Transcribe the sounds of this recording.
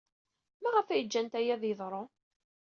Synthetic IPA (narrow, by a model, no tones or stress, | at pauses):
mæʁəfæjəd͡ʒːænt̪æjæðjəðˤɾˤo